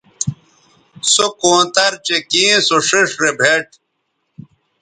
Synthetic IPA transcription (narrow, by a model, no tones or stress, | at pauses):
sokõːt̪ɐɾt͡ɕekĩːsoʂiʂɾebʱeʈ̚